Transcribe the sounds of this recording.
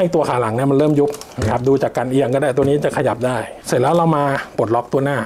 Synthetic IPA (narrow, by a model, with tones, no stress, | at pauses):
ha˥˩jt̪u˧ɐkʰaː˨˩˦la˩˦ŋni˥˩ɐma˧nɾɤː˥˩mju˦˥p̚ma˧˥˩kʰa˦˥p̚duː˧t͡ɕaː˨˩kːa˧nʔiː˧a˧ŋkɔː˥˩daː˥˩t̪əniː˦˥t͡ɕa˨˩kʰa˧ja˨˩p̚daː˥˩j | sɯ˨˩˦lɛː˦˥wɾa˧wmaː˧po˨˩t̪̚lɔ˦˥k̚t̪u˧ɐnaː˥˩